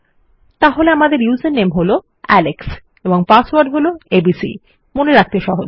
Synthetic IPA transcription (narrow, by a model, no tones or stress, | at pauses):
t̪aɦoleamad̪eɾjuzenːemɦolo | ɛleks | eboŋpaswaɾɖɦoloebisḭ | moneɾak̚t̪eʃɔɦo